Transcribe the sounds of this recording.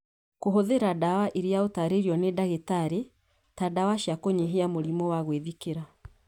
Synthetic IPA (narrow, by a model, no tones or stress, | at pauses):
koɦoðeɾadawaʔiɾeaotaɾeɾiɔnedaɣetaɾe | tadawaʃjakoɲeɦeamoɾimɔwaɣweðikeɾa